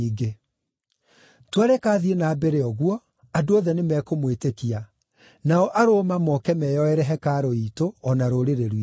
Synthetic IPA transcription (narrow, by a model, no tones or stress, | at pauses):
iɡe | twaɾɛkaːðienaːbeɾeɔɣwɔ | adoɔðɛnemɛkomwetekia | naɔʔaɾomamɔkɛmɛjɔɛɾɛɦɛkaɾoitoɔnaɾoɾeɾeɾi